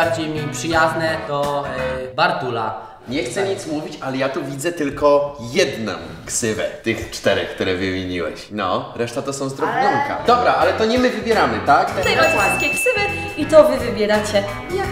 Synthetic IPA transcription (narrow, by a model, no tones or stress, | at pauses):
aɾd͡ʑejmʲipʂɘjaznɛd̪̥ɔ | baɾt̪ula̰ | ɲɛxt̪sɛɲit̪smuvʲit͡ɕalɛjat̪uvʲid̪zɛt̪ɘlkɔjɛd̪nɔ̰m | ksɘvɛ̰t̪ɘxt͡ʂt̪ɛɾɛkt̪uɾɛvɘmʲjiɲiwɛ̰ɕnɔ̰ɾɛʂt̪at̪ɔsɔ̃w̃zd̪ɾɔbɲʲuŋka̰d̪̥ɔbɾaʔalɛt̪ɔɲɛmɘvɘbʲjɛɾamɘt̪ak̪ɛmaswat̪kʲeksɘvɛit̪ɔvɘvɘbʲjɛɾat͡ɕɛ | jak